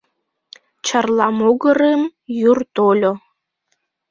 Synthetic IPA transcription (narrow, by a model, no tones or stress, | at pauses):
t͡ɕərlˠɑmoɣəɾemjurt̪olʲo